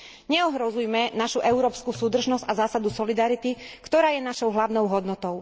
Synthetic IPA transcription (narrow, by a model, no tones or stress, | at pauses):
ɲɛɔɦɾɔzujmɛnaʃuʔɛʊɾɔːpskusuːd̪r̩ʒnɔz̥ɟazaːsad̪usɔlid̪aɾit̪ikt̪ɔɾaːjɛnaʃɔʊɦlaʊnɔʊɦɔd̪nɔt̪ɔʊ